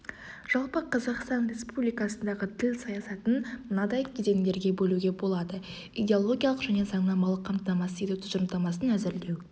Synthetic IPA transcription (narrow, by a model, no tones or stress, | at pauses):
ʒ̥ɑlˠpəqʰɑzɑqst̪ɑnrʲe̞spublijkɑsənd̪ɑʁət̪ʰɪlsɑjɑsɑt̪ənmənɑd̪ɑjt̪ʰʏd̪e̞ŋd̪e̞ɾɡʲe̞bɵluɡʲe̞bo̞lˠɑd̪ə | ijd̪ʲe̞olˠo̞ɡʲijɑlˠəqʒæne̞zɑɴnɑmɑlˠəqʰːɑmt̪ənɑmɑsijd̪ɪt̪ʰʊzɾmt̪ɑmɑsənæzɪɾle̞w